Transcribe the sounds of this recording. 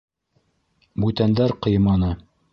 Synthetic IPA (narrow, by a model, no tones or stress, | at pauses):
bʉt̪ænd̪æɾqɤ̆jɤmɑnɤ